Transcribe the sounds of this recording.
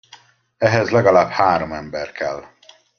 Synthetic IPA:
ɛɦɛzlɛɡɒlaːbhaːɾomɛmbɛrkɛ̰l

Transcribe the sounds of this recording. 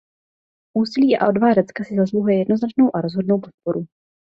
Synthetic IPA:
ʔuːsɪliːʔa̰ʔodvaːdat͡skasɪzasluɦujɛjɛdno̞znat͡ʃno̞wʔaɾo̞zɦo̞dno̞wpo̞t̪̚po̞ɾu

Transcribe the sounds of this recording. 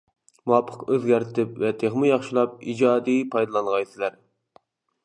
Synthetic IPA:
muɑpʰːə̥qøzɡʲæɾt̪ʰɪpvɛt̪ʰeχmɨjɑχʃilˠɑp̚id͡ʒɑːd̪ipʰɑjd̪ɑlˠɑnʁɑjsɪlæɾ

